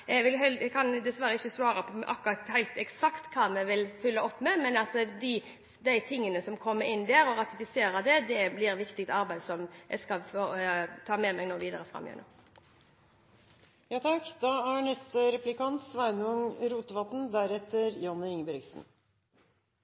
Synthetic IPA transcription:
ɛɡʋɪlɦɛɛɡkʰɑnd̪ɛsʋæɾəɪçːəsʋɑːɾəpʰɔʔɑ̰kːʊɾɑt̪hæɪt̪ɛksɑkt̪kʰɑːmɛʋɪlfʉlːəɔpːmɛmɛnɑt̪əd̪ɪ | d̪æɪt̪ʰɪŋːənəsɔmkʰɔmːəɾɪnːd̪æːɾɔɾɑt̪ɪfɪseːɾəd̪ɛd̪ɛblɪɾʋɪkt̪ɪk̚t̪ɑɾbæɪd̪sɔmjɛ̰skɑlfoːt̪ʰɑːmɛmæɪnoːʋiːd̪əɾəfɾɑ̰mːjɛ̰nːṵː | jɑːt̪ʰɑkd̪ɑːæɳɛst̪əɾɛplɪkɑnt̪sʋæɪnʊŋɾuːt̪əʋɑt̪n̩d̪æɾɛt̪əɾjɑnːəɪŋbɛɾɪɡsn̩

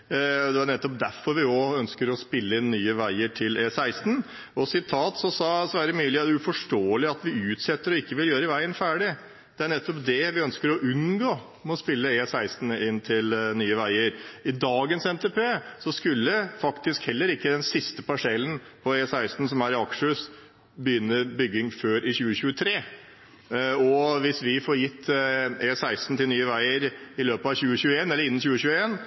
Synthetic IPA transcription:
d̪ɛæɳɛt̪ːɔp̚d̪æɾfɔɾʋɪɔœnskəɾɔspɪlːəɪnːyːəʋæɪəʈʰɪlʔeːsæɪst̪n̩ | ɔsɪt̪ʰːɑːt̪sɔsɑsɔʋæːɾəmyːlɪɑʉfɔʂʈoːəlɪɑt̪ʋɪʉːt̪sɛt̪ːəɾɔɪkːəʋɪljøːɾəʋæɪənfæːɖɪ | d̪̥ɛæɳɛt̪ːɔpd̪ɛʋɪœnskəɾɔʔʉnɡoː | mɛɔspɪlːəesæɪst̪n̩ɪnːt̪ʰɪlnyːəʋæɪəɾɪd̪ɑːɡənsɛnt̪ʰepʰeːsɔskʉlːəfɑkt̪ɪskhɛlːəɾɪkːəd̪ɛnsɪst̪əpɑʂɛlːənpʰɔeːsæɪst̪n̩sɔmæɾɑkʂəs | bəjʏnːəbʏɡːɪŋføːɾʔɪçʉːəɕʉːət̪ʰɾeː | ɔʋɪsʋɪfɔɾjɪt̪ʰːeːsæɪst̪n̩t̪ɪlnyːəʋæɪəɾɪløːpəɑʋçʉːəçʉːəeːnɛlːəɾɪnːn̩çʉːəɕʉːəeːn

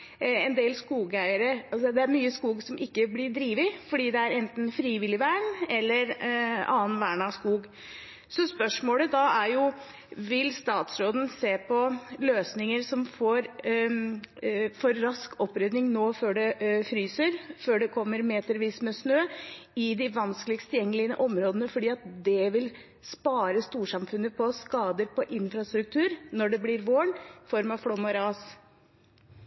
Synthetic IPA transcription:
ɛnd̪eːlskuːɡæɪəɾəɑsɔd̪ɛæɾmyːəskuːɡsɔmʔɪkːəblɪɖɾiːʋɪfɔɖiːd̪ɛæɾɛnt̪n̩fɾiːʋɪlːɪʋæːɳɛlːəɾɑ̰ːnʋæːɳɑskuːɡ | sɔspœʂmoːləd̪ɑæɾjʊ | ʋɪlst̪ɑːt̪sɾoːd̪n̩seːpʰɔløːsnɪŋəɾsɔmfoːɾ | fɔɾːɑskɔpːɾɛd̪nɪŋnoːføːɖɛfɾyːsəɾføːɖɛkʰɔmːəɾmeːt̪əɾʋiːsmɛsnøːɪd̪ɪʋɑnskəlɪkst̪ʰɪljɛŋːəlɪənəʔɔmɾoːd̪ənəfɔɖiːɑt̪d̪ɛʋɪl | spɑːɾəst̪uːʂɑmfʉnːəpʰɔskɑːd̪əɾpʰɔʔɪnfɾɑst̪ɾʉk̚t̪ʰʉːɾnɔɖɛblɪːɾʋoːɳfɔɾmɑʋfɽomɔɾɑːs

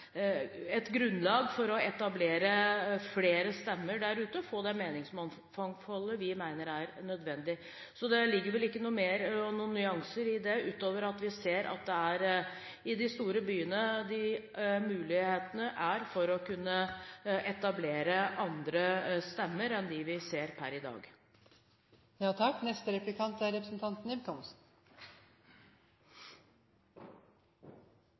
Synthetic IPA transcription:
ɛt̪ɡɾʉnːlɑːɡfɔɾɔɛt̪ɑbleːɾəfleːɾəst̪ɛmːəɖæɾʉːt̪əɔfoːd̪ɛmeːnɪŋsmɑn | fɑŋfɔlːəʋɪmæɪnəɾæɾnœd̪ʋɛnd̪ɪ | sɔd̪ɛlɪɡːəɾʋɛlɪkːənuːmeːɾnuːnnːʏɑŋsəɾɪd̪ɛʉːt̪oːʋəɾɑt̪ʋɪseːɾʔɑ̰t̪̚d̪ɛæɾ | ɪd̪ɪst̪uːɾəbyːənəd̪ɪ | mʉːlɪheːt̪ənəʔæɾfɔɾɔkʉnːəʔɛt̪ɑbleːɾəʔɑnd̪ɾəst̪ɛmːəɾɛnd̪ɪʋɪseːɾpʰæ̰ɾɪd̪ɑ̰ːɡ | jɑːt̪ʰɑkːnɛst̪əɾɛplɪkʰɑnt̪æɾɛpɾəsnt̪ʰɑnt̪ən̩ɪbkʰɔmsn

